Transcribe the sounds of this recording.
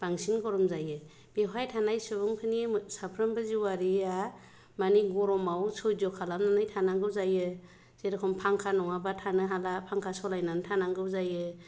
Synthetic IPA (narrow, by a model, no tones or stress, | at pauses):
b̥aŋsinɡɔɾɔmzajɯ | b̥eɦajtʰanajsɯbɯŋkʰɯnisapʰɾɯmbɯziwaɾia | maniɡɔɾɔmawsɔjzɔkʰalamnanɯjtʰanaŋɡɯwzajɯ | z̥eɾɯkʰɔmpʰaŋkʰanɔŋabatʰanɯɦalapʰaŋkʰasɔlajnantʰanaŋɡɯwzajɯ